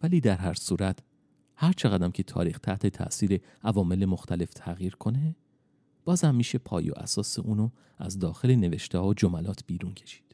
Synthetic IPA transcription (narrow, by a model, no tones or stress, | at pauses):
væliːd̪æɾɦæɾsuːɾæt̪ʰ | hæɾt͡ʃʰe̞ɣæd̪æmcʰe̞t̪ʰɒ̰ːɾiːxt̪ʰæht̪ʰe̞t̪ʰæ̰ʔsiːɾe̞ | ʔævɒːme̞lemo̞xt̪ʰæle̞ft̪ʰæɣjiːɾkʰo̞ne̞ | b̥ɒːzhæmːiːʃe̞pʰɒ̰ːjo̰ʔæ̰sɒːseʔuːno | æ̰zd̪ɒːxe̞le̞ne̞veʃt̪ehɒːod͡ʒomælɒːt̪ʰb̥iːɾuncʰe̞̥ʃi̥ːd̪̥